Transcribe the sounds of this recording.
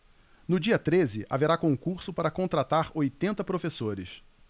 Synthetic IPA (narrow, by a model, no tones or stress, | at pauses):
nʊd͡ʒiɐt̪ɾezɪʔa̰veɾakõŋkuɾsʊpaɾɐkõnt̪ɾat̪aɾojt̪ẽnt̪ɐpɾofesoɾɪs